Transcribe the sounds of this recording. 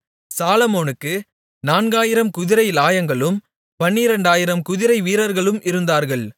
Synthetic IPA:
saːlɐmoːnɯkːɯ | naːnɡaːjɪɾɐmkʊðɪɾɐɪlaːjɐŋɡɐɭɯm | pɐnːiɾɐɳɖaːjɪɾɐmkʊðɪɾɐɪʋiːɾɐɾɣɐɭɯmʔɪɾɯnd̪aːɾɣɐɭ

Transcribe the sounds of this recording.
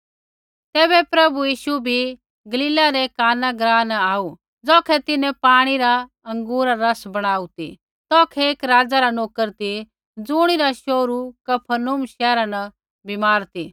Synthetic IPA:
t̪ɛːβɛpɾɐbujiːʃubʱi | ɡɐlɪːlaɾekaːnaɡɾaːnaːu | d͡zɔːkʰɛt̪ɪnɛ̃paːɽ̃iɾa | ɐ̃ŋɡuːɾaɾɐsbɐɽ̃aːut̪ḭ | t̪ɔːkʰɛeːkɾaːd͡zaɾanoːkəɾt̪i | d͡zʊːɽ̃iɾaʃoːɾukɐpʰənumʃɛːɾanɐ | bʱɪmaːɾt̪i

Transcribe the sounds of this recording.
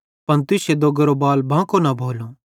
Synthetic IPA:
pɐnt̪ɪsed̪oɡəɾobaːlbʱãːkonabʱoːlo

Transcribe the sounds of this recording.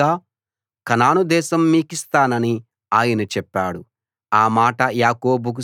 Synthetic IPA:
aː | kɐnaːnud̪ɛːʃɐmːiːkist̪aːnɐni | aːjɐnɐt͡ʃɛpːaːɽu | aːmaːʈɐjaːko̞ːbuk̬u

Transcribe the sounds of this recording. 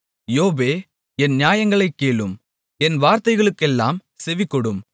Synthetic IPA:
joːbeː | ɛnnɪjaːjɐŋɡɐɭɐɪkːeːɭɯm | ɛnʋaːɾt̪ɐɪɣɐɭɯkːɛlːaːmsɛʋɪkːɔɽɯm

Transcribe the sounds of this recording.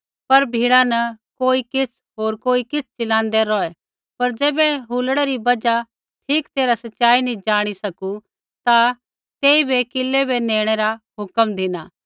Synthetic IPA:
pɐɾbʱiːɽanɐkoːikɪt͡sʰ | ɦoːɾkoːikɪt͡sʰt͡ʃɪlãːnd̪ɛɾɔːɛ | pɐɾd͡ʒɛːbɛɦuːlɽ̃ɛɾibɐd͡ʒa | ʈʰiːkt̪eːɾasɐʃaːinĩd͡ʒaːɽ̃isɐku | t̪a | t̪eːibekɪlːebenẽːɽ̃ɛɾaɦʊkəmd̪ʱɪnaː

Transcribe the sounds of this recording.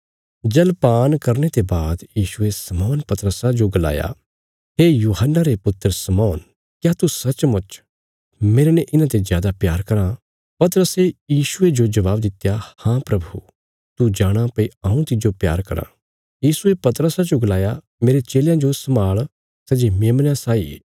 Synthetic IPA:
d͡ʒɛlpaːnkɐɾnet̪ebaːd̪jiːʃuesɐmɔːnpɐt̪ɾəsad͡ʒoɡɐla̰ːja̰ | ɦeːjuːɦənːaɾepʊt̪ːəɾsɐmɔːn | kjaːt̪usɐt͡ʃmʊt͡ʃ | meːɾenɛ̃ʔɪnãt̪̬ezjaːd̪apjaːɾkɐɾa | pɐt̪əɾəsejiːʃʊed͡ʒod͡ʒɐʋaːbd̪ɪt̪jahãpɾɐbʱu | t̪ud͡ʒaːɽ̃apɐiãːũt̪ɪd͡ʒopja̰ːɾkɐɾã̰ | jiːsuepɐt̪ɾəsad͡ʒoɡɐlaːja | meːɾet͡ʃeːljãd͡ʒosɐmaːɭ | sɛːd͡ʒimẽːmnãsaːḭ

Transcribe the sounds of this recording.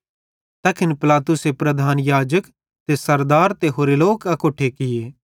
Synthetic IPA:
t̪ɐkʰɪnpɪlaːt̪ʊsepɾɐd̪ʱaːnjaːd͡ʒək | t̪esɐɾd̪aːɾt̪eɦoːɾeloːkɐkoːʈʰekɪjeː

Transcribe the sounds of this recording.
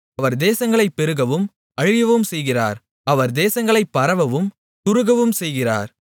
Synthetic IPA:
ɐʋɐɾd̪eːsɐŋɡɐɭɐɪpːɛɾɯɣɐʋɯm | ɐɻɪjɐʋɯmsɛjɣɪra̰ːɾ | ɐʋɐɾd̪eːsɐŋɡɐɭɐɪpːɐɾɐʋɐʋɯm | t̪ʊɾɯɣɐʋɯmsɛjɣɪra̰ːɾ

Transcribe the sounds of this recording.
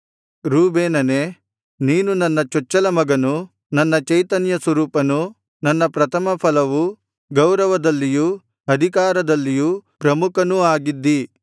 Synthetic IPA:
ɾuːbeːnɐne | niːnunɐnːɐt͡ʃɔt͡ʃːɐlɐmɐɡɐnu | nɐnːɐt͡ʃɐjt̪ɐnjɐsʋɐɾuːpɐnu | nɐnːɐpɾɐt̪ʰɐmɐpʰɐlɐʋu | ɡɐwɾɐʋɐd̪ɐlːiju | ɐd̪ʱikaːɾɐd̪ɐlːijuːpɾɐmukʰɐnuaːɡid̪ːi

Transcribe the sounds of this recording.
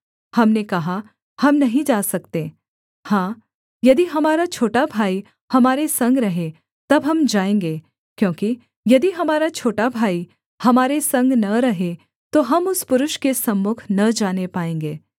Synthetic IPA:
hɐmnekɐɦa | hɐmnɐɦĩd͡ʒaːsɐkt̪ẽː | hãː | jɐd̪iɦɐmaːɾat͡ʃʰoːʈabʱaːi | hɐmaːɾesɐ̃ŋɡɾɐɦe | t̪ɐbɦɐmd͡ʒaːẽːŋɡeː | kjõːki | jɐd̪iɦɐmaːɾat͡ʃʰoːʈabʱaːi | hɐmaːɾesɐ̃ŋɡnɐɾɐɦe | t̪oɦɐmʊspʊɾʊʃkesɐmːʊkʰnɐd͡ʒaːnepaːẽːŋɡeː

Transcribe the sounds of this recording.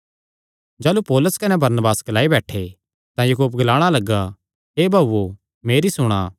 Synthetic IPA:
d͡ʒaːlupoːlʊskɐnɛbɐɾnbaːsɡɐlaːibɛːʈʰe | t̪ãjukuːp̬̚ɡɐlaːɽ̃alɐɡːa | ɦeːbʱaːo | meːɾisʊɽ̃a̰ː

